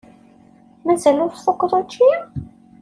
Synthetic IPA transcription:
mæzælʊɾθfʊkːðˤot͡ʃːi

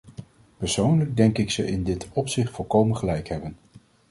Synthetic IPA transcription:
pəɹsownləɡ̚dɛŋkɪksəʔɪndɪtɔpsɪχtfɔlˠkowmənχəlɛjkɦɛbən

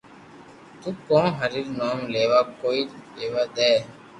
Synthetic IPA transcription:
t̪uːkõːɦəɾiːɾnaːmleːʋaːkoːiːeːʋaːd̪ɛː

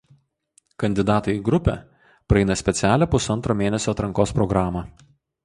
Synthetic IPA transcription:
kɐnʲd̪ʲɪd̪ɑːt̪ɐɪɡɾʊpʲɛ̰ˑ | pɾɐɛɪnɐsʲpʲɛt̪sʲæːlʲæpʊsɐnˑt̪ɾoːmʲeːnʲɛsʲoːt̪ɾɐŋkoːspɾɔɡɾɑːmɑ

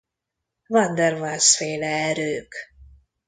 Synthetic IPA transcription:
vɑnd̪ɛrvasfeːlɛɛɾøːk

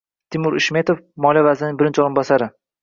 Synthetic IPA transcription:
t̪ʰɪmʊɾɪʃme̞t̪ofmɒlˠijavazɪnɪŋbɪɾɪnt͡ʃʰoɾɪnbɒsaɾɪ

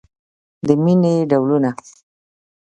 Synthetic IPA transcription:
d̪əmineɖawluna

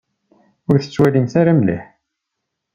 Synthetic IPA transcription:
ʊɾθə̥t͡sːwælimθaɾamlḭħ

